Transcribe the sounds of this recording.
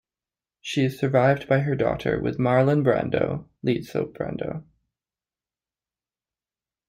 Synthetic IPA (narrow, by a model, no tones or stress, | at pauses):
ʃiɨz̥sə˞vaɪvdbaɪə˞dɔ̰ɾə̰˞wɪ̰ðmɑɹlˠə̃nbɹæ̰̃ndo̰ʊlid̥soʊb̥ɹæ̰̃ndoʊ